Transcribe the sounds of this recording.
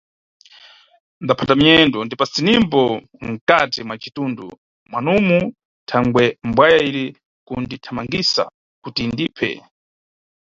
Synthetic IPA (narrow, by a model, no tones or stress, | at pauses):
ndapʰatamiɛndɔndipasinimbɔ | ŋ̩katimwat͡ʃitundṵ | mwanumu | tʰaŋɡwɛmbwajaiɾi | kunditʰamaŋɡisa̰ | kutindipʰɛ̰